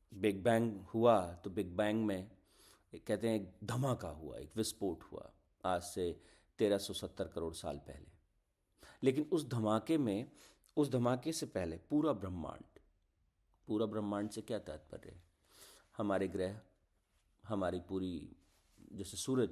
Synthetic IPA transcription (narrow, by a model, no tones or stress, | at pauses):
bɪɡ̚bɛ̃ːŋkhuat̪obɪɡ̚bɛ̃ːŋkmẽ | kɛɦt̪eɦɛ̃eːk̚d̪ʱɐmaːkaɦṵa̰ḛːkʋɪspoːʈhṵa̰ | aːd͡ʒse | t̪eːɾasɔsət̪ːəɾkəɾoːɽsa̰ːlpɛ̰ɦlḛ | leːkɪnʊs̬d̪ʱɐmaːkemẽ | ʊs̬d̪ʱɐmaːkesepɛɦlepuːɾabɾəmːã̰ːɳɖ | puːɾabɾəmːãːɳɖsekjaːt̪ja̰ːt̪̚pə̰ɾːɛ̰ɦɛ | hɐmaːɾeɡɾɛːɦ | ɦɐmaːɾipuːɾi | d͡ʒɛːsesuːɾəd͡ʒ